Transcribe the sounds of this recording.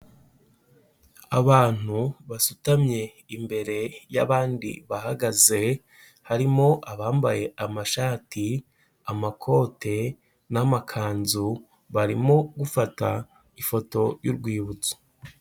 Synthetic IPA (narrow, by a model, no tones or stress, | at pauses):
aβaːn̥uβasutamɲe̞ | imbe̞ɾe̞ja̰βaːndḭβahaɡaze̞ | haɾimo̞ʔaβaːmbaje̞ʔamaʃaːti | amakʰo̞te̞ | namakʰaːnzu | βaɾimo̞ɡufata | ifo̞to̞juɾɡwiːβut͡so̥